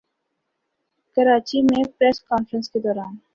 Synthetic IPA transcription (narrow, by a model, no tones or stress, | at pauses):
kɐɾaːt͡ʃimẽpɾɛːskaːnfɾə̃nsked̪ɔːɾaːn